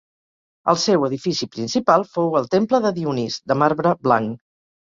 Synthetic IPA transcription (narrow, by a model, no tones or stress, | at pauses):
ə̰lˠsɛwəðifisipɾinsipalˠfowəlˠt̪empləðəðiunizd̪əmaɾβɾəbla̰ŋ